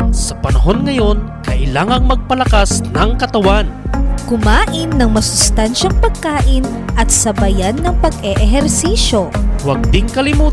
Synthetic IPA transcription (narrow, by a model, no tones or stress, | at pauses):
sɐpɐnɐɦo̞nŋɐjo̞nkɐʔɪlaːŋɐŋmɐɡ̚pɐlɐkasnɐŋkɐt̪ɐwankʊmaːʔɪnːɐŋmɐsʊst̪anʃɐŋpɐɡ̚kaːʔɪn | ʔɐt̪sɐbɐjanːɐŋpɐɡɛʔɛɦɛɾsiːʃo̞wɐɡ̚d̪ɪŋkɐlɪmuː